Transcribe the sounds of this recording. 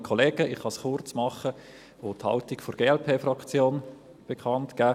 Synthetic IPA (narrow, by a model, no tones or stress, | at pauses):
kʰɔleːɡ̥əʔɪχhɑsχʊrt͡smɑχə | othɑ̰ltikforɡ̥eːɛlpʰeːfrɑkt͡sjoːn | b̥ekʰɑntkæː